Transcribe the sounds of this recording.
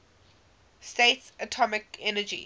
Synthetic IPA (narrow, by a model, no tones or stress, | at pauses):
stetsətʰɔmɪkɛnəd͡ʒḭ